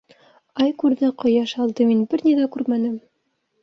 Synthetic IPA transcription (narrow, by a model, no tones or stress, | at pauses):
ɑjkʉɾðɘqɤ̆jɑʃɑlˠd̪ɤminbɘɾnʲiðækʉɾmænɘm